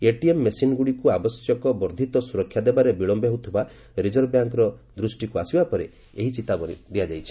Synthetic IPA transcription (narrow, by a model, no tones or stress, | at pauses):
eʈiemːesinɡuɽikuabɔsjɔkɔbɔɾd̪ʱit̪ɔsuɾɔkʰːjad̪ebaɾebiɭɔmbeɦeut̪ʰiba | ɾid͡ʒɔɾbjaŋkɾɔd̪ɾusʈikuasibapɔɾe | eɦit͡ʃit̪abɔɾḭd̪ijad͡ʒajt͡ʃʰi̥